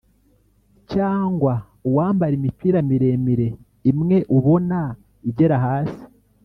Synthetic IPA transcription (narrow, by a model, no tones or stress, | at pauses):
caːŋɡwa | uwaːmbaɾimitwiɾamiɾe̞miɾe̞ | imŋe̞ʔuβo̞na | iɟe̞ɾaɦaːsi̥